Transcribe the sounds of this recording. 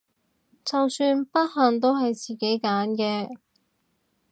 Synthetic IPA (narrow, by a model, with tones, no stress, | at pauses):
t͡sɐ˨wsyː˧npɐ˥t̚ɦɐ˨˩ŋt̪̬o˥wɦɐ˨jt͡siː˨ke˨˥jkaː˨˥nkɛː˧